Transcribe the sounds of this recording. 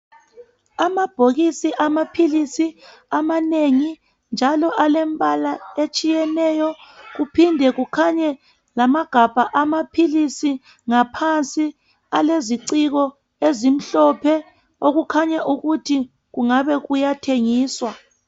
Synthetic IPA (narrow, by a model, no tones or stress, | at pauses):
amab̥ʱoɣisiʔamapʰilisi | amaneŋi | nd͡ʒʱalɔʔalɛmbʼalaet͡ʃʼijɛnɛjɔɣupʰindʱɛɣukʰaɲɛ | lamaɡ̥ʱab̥ʱaʔamapʰilisi | ŋapʰant͡sʼi | aleziǀiɣɔ | ezim̩ɬɔpʰɛ | oɣukʰaɲɛʔuɣutʰi | ɣuŋaβɛɣujatʰeŋiːswa